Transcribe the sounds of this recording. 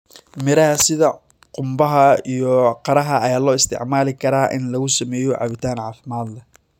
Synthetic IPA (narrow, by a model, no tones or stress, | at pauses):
mɪɾɐɦɐsɪðɐ | qʊmbɐɦɐijɔqɑɾɐɦɐɐjaːlɔːɪst̪ʰɪ̰ʕmaːlɪkʰɐɾaːʔɪ̰nlɐɣʊsɐmɛːjɔʕɑ̰βɪt̪ʰaːnʕɑːfɪmaːd̪lɛ